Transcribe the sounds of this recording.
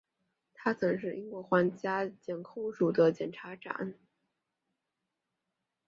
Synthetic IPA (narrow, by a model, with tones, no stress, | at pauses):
t̪ʰa˥t͡sʰɤ˨˧˥ŋʂ̬ɻ̩˥˩ʔi˥ŋkwɔ˧˥xwa˥˩nt͡ɕja˥t͡ɕjɛ˨˩nkʰo˥˩ʊʂu˨˩d̪ə˦t͡ɕjɛ˨˩nʈ͡ʂʰa˧˥ʈ͡ʂa̰˨˩˦n